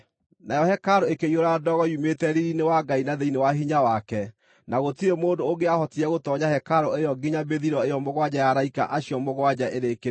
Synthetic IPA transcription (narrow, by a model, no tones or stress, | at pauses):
najɔhɛkaɾoekeioɾadɔɣɔjumetɛɾiɾinewaɡainaðeinewaɦiɲawakɛ | naɣotiɾemoːndoːɡeahɔtiɛɣotɔɲahɛkaɾoejɔɡiɲabeðiɾɔejɔmoɣwad͡ʑajaɾaika̰ʔaɕjɔmoɣwad͡ʑaʔeɾeke